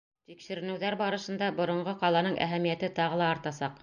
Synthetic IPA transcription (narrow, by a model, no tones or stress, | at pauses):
t̪ikʃɘ̆ɾɘ̆nɘ̆wðæɾbɑɾɤ̆ʃɤ̆nd̪ɑbŏɾŏɴɢɤqɑlˠɑnɤɴʔæ̰ɦæmijæt̪ɘt̪ɑʁɤ̆lˠɑːɾt̪ɑsɑq